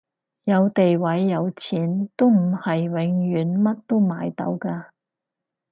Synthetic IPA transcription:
jɐ˨˧wt̪e˨jwɐ˨˥jːɐ˨˧wt͡sʰiː˨˥nt̪o˥m̩˨˩hɐ˨jwɪ˨˧ŋɥyː˨˥nmɐ˥t̚t̪o˥wmaː˨˧jt̪ɐ̰˨˥wkaː˧

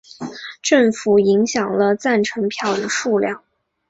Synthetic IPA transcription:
ʈ͡ʂɤ˥˩ŋfu˨˩i˧˥ŋɕjɑ˨˩ŋlə˦t͡sa˥˩nʈ͡ʂʰɤ˧˥ŋpʰjɑ˥˩ʊd̪ə˨˩ʂu˥˧ljɑ˥˩ŋ

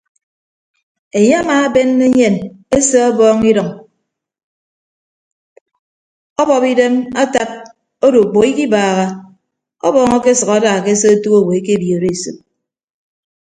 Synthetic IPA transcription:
e˨ɲe˦a˦maː˦be˦nːe˦ɲe˦˨n | e˦se˦ɔ˦bɔː˦ŋi˦dɔ˨ŋ | ɔ˦bɔ˨pi˦de˦ma˦ta˦p̚ | o˦do˨k͡po˨ki˦ki˦baː˨ɣa˨ | ɔ̰˦bɔː˨ŋɔ˦ke˦sʌ˨ka˦daː˨ke˦se˦o˦tu˦o˦˨we˨e˦ke˦˨bjo˨ɾe˦˨sṵ˨p̚

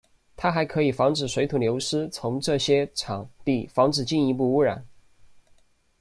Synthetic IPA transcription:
t̪ʰa˥xa˧˥ɪkʰɤ˧˥i˨˩fɑ˧˥ŋʈ͡ʂɻ̩˨˩ʂwe˧˥ɪt̪ʰu˨˩ljo˧˥ʊʂɻ̩˥t͡sʰʊ˧˥ŋʈ͡ʂɤ˥˩ɕjɛ˥ʈ͡ʂʰɑ˨˩˦ŋt̪i˥˩fɑ˧˥ŋʈ͡ʂɻ̩˨˩t͡ɕi˥˩ni˧˥p̬u˥˧u˥ɻa˨˩˦n

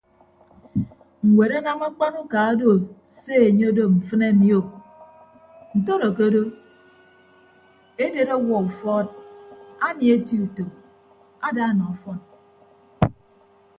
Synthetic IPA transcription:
ŋ̩˨we˨ɾa˦na˦ma˦k͡pa˦nu˦ka˨a˦do˦˨ | se˦e˨ɲe˦do˦m̩˨fɨ˦ne˦mi˦o˦˨ | n̩˨to˦ɾo˨ke˦do˦ | e˦de˨ɾa˦wɔ˨u˨fɔː˦t̚a˦ni˨e˦ti˦u˨to˨ | a˦da˦nɔ˨ɔ˨fɔ˦n

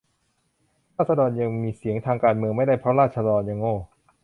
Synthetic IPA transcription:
ɾaː˥˩t̪̚sa˧dɔː˧nja˧ŋmiː˧si˩˦əŋt̪ʰaː˧ŋkaː˧nmɯ˧əŋma˥˩jda˥˩jpʰɾɔ˦˥ɾaː˥˩t̪̚t͡ɕʰa˧lɔː˧nja˧ŋoː˥˩

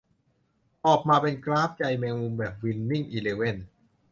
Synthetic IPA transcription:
ʔɔː˨˩k̚maː˧pe˧nklaː˦˥p̚t͡ɕa˧jmɛː˧ŋmu˧mbɛː˨˩p̚wi˧nmi˥˩ŋʔiː˧leː˧we˥˩n

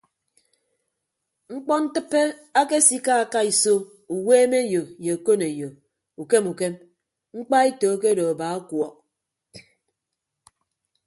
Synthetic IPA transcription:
ŋ͡m̩˦k͡pɔ˦n̩˦tɨ˦pːe˦a˦ke˦si˦ka˦a˨ka˦i˨so˦ | u˨weː˦me˦jo˨je˨o˨ko˦ne˨jo˨ | u˨ke˦mu˨ke˦m | ŋ͡m̩˦k͡pa˦e˦toː˨˦k̬e˦do˨a˨ba˨˦a˦kwɔ˨k̚

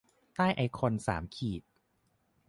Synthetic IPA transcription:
t̪aː˥˩jʔa˧jkʰo˧nsa̰ː˩˦mkʰiː˨˩t̪̚

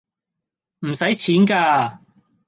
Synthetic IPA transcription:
m̩˨˩sɐ˨˥jt͡sʰiː˨˥nkaː˧

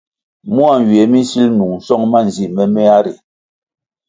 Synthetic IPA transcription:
mu˦a˨n˨ɥe˨˦mi˦si˦lnu˨ŋn̩˨sɔ˦ŋma˦n˨zi˦ʔmɛ˦mɛ˦a˦ɾi˨

